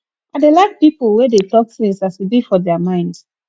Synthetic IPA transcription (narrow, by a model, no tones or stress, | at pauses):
adelaɪk̚pipl̩ˠwɛdetɔk̚θĩŋsaswibifɔdɛəmãɪ̃nds